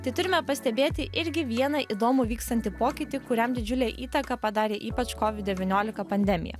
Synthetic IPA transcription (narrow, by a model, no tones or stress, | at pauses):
t̪ɐɪt̪ʊɾʲɪmʲɛpɐsʲt̪ʲɛbʲeːt̪ʲɪʔɪɾʲɡʲɪʋʲiɛnɐʔiːd̪oːmʊʋʲiːkst̪ɐnʲt̪ʲɪpoːkʲɪt̪ʲɪkʊɾʲɛmd̪ʲɪd͡ʒʲʊlʲɛːʔiːt̪ɐkɐpɐd̪ɑːɾʲeːʔiːpɐt͡ʃkɔːʋʲɪt̪̚ʲd̪ʲɛʋʲinʲoːlʲɪkɐpɐnʲd̪ʲɛmʲɪ̰jɛ̰